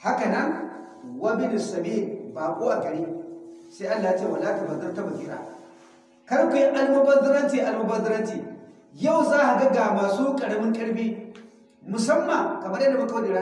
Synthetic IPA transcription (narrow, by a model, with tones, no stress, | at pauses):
ha˦kɐ˨nɐ˦n | wa˦bɪ˦nɪ˨sɐ˨bi˦˨dbaː˨kʷʼoː˦ʔa˨ɡɐ˨ɽi˦sa˦ʔa˦lːaː˨ja˦t͡ʃeː˦˨wɐ˨laː˦ta˨bɐ˨dta˦ma˨kʲi˦ɾa̰˨ | kɐ˦ɽkʷu˨jɪ˦ŋʔa˦lmɐ˦bɐ˦dɾɐ˦ntiː˨ʔa˨lma˦bɐ˦dɾɐ˦ntiː˨ | ja˦˨wzaː˦ha˨ɡɐ˦ɡa˨maː˨suː˦kʼɐ˨ɽɐ˦mɪ˦ŋkɐ˦ɽbiː˦ | mʊ˨sɐ˦mːɐ˨ŋkɐ˨mɐ˦ɾjda˨mɐ˦ka˦wa˦dɪ˦ɽa˦